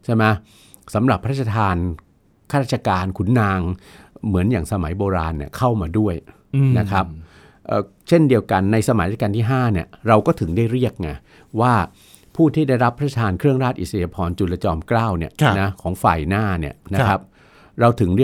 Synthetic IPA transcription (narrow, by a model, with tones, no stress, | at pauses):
t͡ɕʰa˥˩jma˦˥ | sa˩˦mɾa˨˩pʰːɾ̚t͡ɕʰːa˧t̪ʰaː˧n | kʰaː˥ɾaː˥˩t͡ɕa˧kaː˧nkʰu˩˦nːaː˧ŋmɯ˩˦njaː˨˩ŋsa˧ma˩˦jboː˧ɾaː˧nːi˦˥˩əkʰa˥˩wmaː˧du˥˩əj | na˦˥kʰɾa˦˥p̚ | ʔəː˧˩ | t͡ɕʰe˥˩ndi˧əwka˧nːa˧jsa˧ma˨˩˦jkaː˧nt̪ʰiː˥˩ɦaː˥˩ni˥˩əɾa˧wkɔː˥˩t̪ʰɯ˩˦ŋdaː˥˩jɾi˥˩ək̚ŋa˧˩ | waː˥˩ | pʰuː˥˩t̪ʰiː˥˩da˥˩jɾa˦˥pʰːa˦˥˩t͡ɕʰːa˧t̪ʰaː˧nkʰɾɯ˥˩əŋɾaː˥˩t̪̚ʔḭ˨˩sa˧ja˧pʰɔː˧nt͡ɕu˨˧˩la˧t͡ɕɔː˧mklaː˥˩wni˥˩ɐna˦˥kʰɔː˩˦ŋfa̰ː˨˩jnaː˥˩ni˥˩əna˦˥kʰa˦˥p̚ | ɾa˧wt̪ʰɯ˩˦ŋɾi˥˩ə